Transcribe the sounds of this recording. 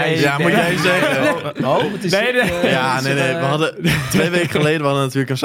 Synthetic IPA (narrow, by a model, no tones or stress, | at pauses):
jamujɛjzɛəotnejanenejʋəɦɑdətʋejʋekəχəlejdəʋəhɑdənatyːɹləkəns